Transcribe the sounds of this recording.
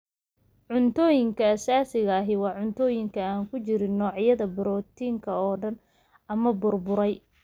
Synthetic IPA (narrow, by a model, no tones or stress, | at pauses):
ʕʊnt̪ʰɔːjɪŋkʰɐɐsaːsɪɣɐːɦɪwɑːʕʊnt̪ʰɔːjɪŋkʰɐaːŋkʰʊt͡ʃɪɾɪnːɔːʕjɐðɐbʊɾɔːt̪ʰiːŋkʰɐɔːɖɐn | ɐmɐbʊrbʊɾɛj